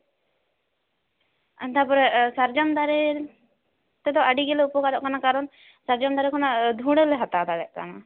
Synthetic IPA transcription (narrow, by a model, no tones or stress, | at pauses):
t̪apɔɾɛsaɾd͡ʒamd̪aɾɛ | t̪ɛd̪ɔʔaɖiɡɛlɛupɔkaɾɔʔkanakaɾɔn | saɾd͡ʒamd̪aɾɛkʰɔnad̪ʱũɽɛlɛɦat̪ad̪ad̪ɛʔka̰na